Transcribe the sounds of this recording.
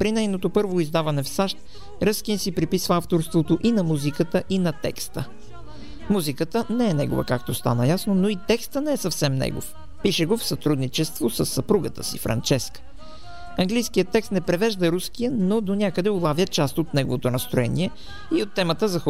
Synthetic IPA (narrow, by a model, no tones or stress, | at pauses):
pɾinɛjnot̪opɤɾvoizd̪avɐnɛfsaʃt̪̚ | ɾəskinsipɾipisvəaft̪oɾst̪vot̪oʔinɐmuzikət̪əʔinɐt̪ɛ̰kst̪ə | muzikət̪ənɛɛnɛɡo̰və̰kakt̪ost̪a̰nəjasnonoit̪ɛkst̪ənɛɛsɐfsɛmnɛ̰ɡo̰f | piʃɛɡofsɐt̪ɾud̪nit͡ʃɛst̪vosəsːɐpɾuɡət̪ə̰sḭfɾɐ̰nt͡ʃɛskə̥ | ɐŋɡlijskijət̪ːɛkst̪nɛpɾɛvɛʒd̪əɾuskijənod̪onʲakəd̪ɛolˠavjət͡ʃast̪ot̪nɛɡovot̪onɐst̪ɾoɛnḭɛ | iot̪ːɛmət̪əzɐx